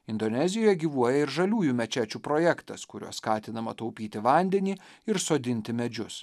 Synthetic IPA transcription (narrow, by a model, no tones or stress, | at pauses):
ɪnd̪onʲɛzʲɪjoːjɛɡʲiːʋuɔjɛɪɾʒɐlʲuːjumʲɛt͡ʃʲæːt͡ʃʲuːpɾoːjɛkt̪ɐskʊɾʲṵɔsskɑːt̪ʲɪnɐmɐt̪ɐʊpʲiːt̪ʲɪʋɑˑnʲd̪ʲɛnʲiː | ɪɾsoːd̪ʲɪnʲt̪ʲɪmʲɛd͡ʒʲʊs